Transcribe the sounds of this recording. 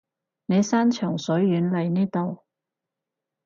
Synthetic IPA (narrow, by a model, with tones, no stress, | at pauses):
ne˨˧jsaː˥nt͡ʃʰœː˨˩ŋsɵ˨˥ɥːyː˨˥nlɐ˨˧jniː˥t̪o˨w